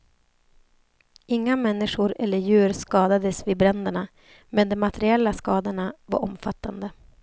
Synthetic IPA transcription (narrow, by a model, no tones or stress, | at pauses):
ɪŋːamɛnːɪʂʊɾɛ̰lːəɾjʉ̟ːɾskɑːd̪ad̪əsviːbɾɛnd̪əɳa | mɛnd̪ɔmːat̪ʰɛɾɪɛlːaskɑːd̪əɳava̰ɾʔɔ̰mfat̪ːand̪ə